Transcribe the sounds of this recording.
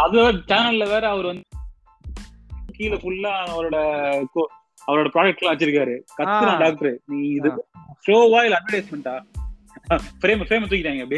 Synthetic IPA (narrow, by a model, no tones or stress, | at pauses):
ɐðɯlʋeːɾt͡ʃaːnɐllɐʋeːɾɛɐʋɐɾɯʋɐnd̪ | kiːlɐfʊɭːãɐʋɐɾoːɽɐko | ɐʋɐɾoːɽɐpɾaːɖɐk̚ʈlãːʋɐt͡ʃːɪɾɯkːaːɾɯkɐːɯnãːɖaːk̚ʈɐɾɯniːɪðɯsɾoːʋaːjɪlɐnːɐɾɽɐɪsmɐɳʈaː | fɾeːmɐfɾeːmɐt̪uːkːɪɾaːŋɡɐpɐɽi